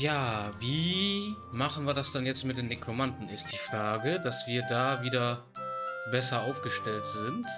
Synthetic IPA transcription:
jaːviː | maχn̩viːɐɾasd̥anjɛt͡stmɪtd̥eːnekʁomandn̩ɪst̚d̥iːfʁ̥aːɡədasv̥iːɐdaːviːdɐ | bɛsɐʔaʊfɡ̥əʃtɛltz̥ɪnt

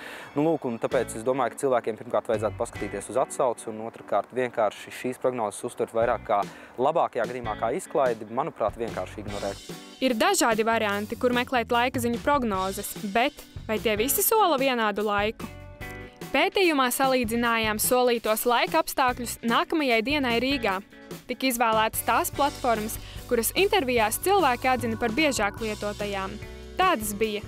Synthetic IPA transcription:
nulˠuːkunt̪apɛːt̪sesd̪uɔmaːjkḁt̪silˠvæːkʲeɛmpiɾmkaːɾt̪vajdzaːt̪u̥paskḁt̪iːt̪iɛsuzat̪sawt̪sunuɔt̪ɾkaːɾt̪vʲiɛnkaːɾʃiʃiːspɾɔɡnɔːzə̥sust̪uɾʲt̪vajɾaːkːaː | lˠabɑːkajaːɡad̪iːmaːkaːisklˠajd̪imanupɾaːt̪vʲiɛnkaːɾʃiɡnɔɾɛːt̪ | iɾd̪aʒaːd̪ivaɾiant̪ikuɾmɛklˠɛːt̪lˠajkaziɲupɾɔɡnɔːzɐsbɛt̪vajt̪iɛvisisuɔlˠɐviɛnaːd̪ulˠajku | peːt̪iːjumaːsalˠiːd̪zinaːjaːmsuɔlˠiːt̪uɔslˠajkapst̪aːkʎʲusnaːkɐmɐjajd̪iɛnajɾiːɡaː | t̪ikizvæːlˠæːt̪ə̥st̪aːsplˠat̪fɔɾmɐskuɾɐsint̪ɛɾvijaːst̪silˠvæːkʲiad̪zinɐpaɾbiɛʒaːklˠiɛt̪uɔt̪ajaːm | t̪aːd̪ɐsbijɐ

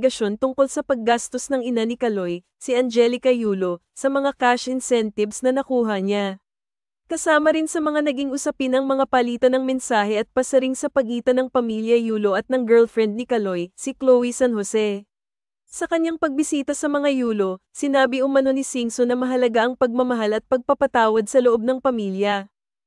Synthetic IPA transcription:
ɡɐʃo̞nt̪ʊŋko̞lsɐpɐɡ̚ːast̪o̞snɐŋɪnanɪkɐlo̞j | sɪʔɐnd͡ʒɛlɪkɐjuːlo̞ | sɐmɐŋakaʃɪnsɛnt̪ɪvsnɐnɐkuːɦɐɲa | kɐsaːmɐɾɪnsɐmɐŋanɐɡiŋʔʊsɐpɪnɐŋmɐŋapɐliːt̪ɐnɐŋmɛnsaːhɛʔɐt̪̚pɐsɐɾiŋsɐpɐɡiːt̪ɐnɐŋpɐmiljɐjuːlo̞ʔɐt̪̚nɐŋɡɛɹlfɹɛnd̪̚nɪkɐlo̞jsɪklowisɐnhosɛ | sɐkɐɲaŋpɐɡ̚bɪsiːt̪ɐsɐmɐŋajuːlo̞ | sɪnaːbɪʔʊmɐno̞nɪsiŋsonɐmɐɦɐlɐɡaʔɐŋpɐɡ̚mɐmɐɦalɐt̪̚pɐɡ̚pɐpɐt̪aːwɐd̪̚sɐloʔo̞b̚nɐŋpɐmiljɐ

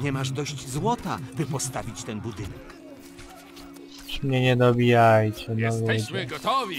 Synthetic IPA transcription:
ɲɛmaʐd̪ɔɕd͡ʑzwɔt̪a̰bɘpɔst̪avʲit͡ɕt̪ɛnbud̪ɘnɛk | ʃmɲɛɲɛd̪ɔbʲijajt͡ɕɛnɔvjɛd͡ʑɛ

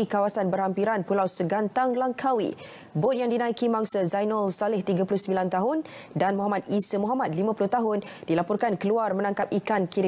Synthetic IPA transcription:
ikawasanbərhampiɾanpulawsəɡant̪aŋlaŋkʰawḭ | bot̪̚jaŋdinaikimaŋsəzajnɔlsalɪht̪iɡapulʊhsəmbilant̪aɦʊn | danmɔɦamat̪̚isəmɔ̃ɦamat̪̚limãpulʊht̪aɦʊn | d̥ilapɔrkankəluarmə̃nãŋkap̚ikankiɾ

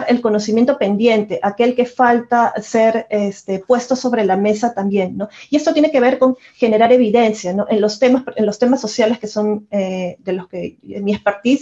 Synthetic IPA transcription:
ɾe̞lko̞no̞simje̞nt̪o̞pe̞nd̪je̞nt̪e̞ʔake̞lke̞falt̪ase̞ɾest̪e̞pwe̞st̪o̞so̞βɾe̞lame̞sat̪ambje̞nːo̞iest̪ot̪je̞neke̞β̞e̞ɾko̞ŋ | xe̞ne̞ɾaɾe̞βiðe̞nsjano̞ʔenlo̞st̪e̞masʔenlo̞st̪e̞masːo̞sjaleske̞so̞ned̪e̞lo̞ske̞miespeɾt̪is

